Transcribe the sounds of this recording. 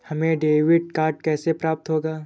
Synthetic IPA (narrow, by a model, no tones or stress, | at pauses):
hɐmẽɖeːʋɪɖ̚kaːɾʈ̚kɛːsepɾaːp̚t̪ɦoːɡaː